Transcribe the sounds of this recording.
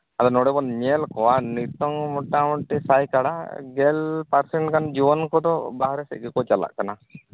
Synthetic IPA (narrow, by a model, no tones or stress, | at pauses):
ad̪ɔnɔɽɛbɔnɲelkɔanit̪ɔŋmɔʈːamɔɳʈisajkaɽa̰ɡɛlpaɾsɛɳʈkand͡ʒibɔnkɔd̪ɔbaɦaɾɛsɛ̰ʔ̚ɡɛkɔt͡ʃala̰ʔkana